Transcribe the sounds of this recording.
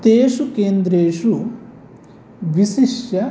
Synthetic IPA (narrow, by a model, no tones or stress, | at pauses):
t̪eːʂukeːnd̪ɾeːʂu | ʋiʃiʂjɐ